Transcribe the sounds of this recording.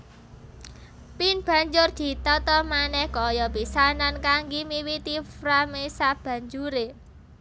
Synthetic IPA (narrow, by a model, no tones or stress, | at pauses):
pinb̥ä̤ɲd͡ʒʊrd̪̥i̤t̪ɔt̪ɔmanɛhkɔjɔpisanankaŋɡimiwit̪ifɾamesab̥ä̤ɲd͡ʒuɾe